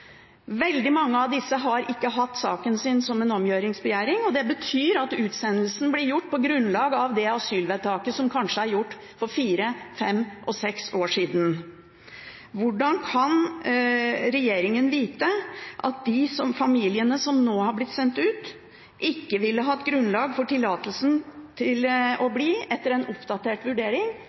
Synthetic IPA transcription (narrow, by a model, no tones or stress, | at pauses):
ʋɛld̪ɪmɑŋːəɑʋd̪ɪsːəɦɑɾʔɪkːəɦɑt̪ːsɑːkənsɪnsɔmɛnɔmjøːɾɪŋsbəjæːɾɪŋɔd̪ɛbət̪ʰyːɾɑt̪ʉːt̪sɛnːlsn̩blɪɾjʊʈːpɔɡɾʉnlɑːɡɑʋd̪ɛɑsyːlʋɛd̪t̪ʰɑːkəsɔmkʰɑnʂəæɾjʊʈː | fɔɾfiːɾəfɛmʔɔsɛksoːʂiːd̪n̩ | ʋʊɖɑnkʰɑn | ɾɛjeːɾɪŋənʋiːt̪əʔɑ̰t̪̚d̪ɪsɔmfɑmiːlɪənəsɔmnoːhɑɾblɪt̪sɛnt̪ʉːt̪ | ʔɪkːəʋɪlːəɦɑːɛt̪̚ɡɾʉnlɑːɡfɔʈɪlːɑːt̪əl̩sn̩t̪ʰɪlɔbliːɛt̪ːəɾɛnʊpd̪ɑt̪eːʈʋʉɖeːɾɪŋ